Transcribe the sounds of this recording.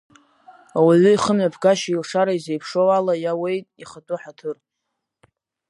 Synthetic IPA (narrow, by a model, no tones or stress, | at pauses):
awaʕʷɨiχəmɥapʰɡaʃailʂaɾaizejpʰʂowalajawe̞jtʼiχatʼuħatʰɨr